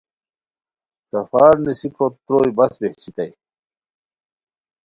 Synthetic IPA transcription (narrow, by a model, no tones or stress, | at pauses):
sɐfaːɾnisipɾot̪ɾoːjbɐsbeht͡ɕit̪ɐj